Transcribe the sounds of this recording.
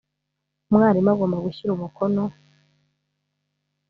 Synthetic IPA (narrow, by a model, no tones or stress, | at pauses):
mŋaːɾimaɡoːmbaɡuçiɾumukʰono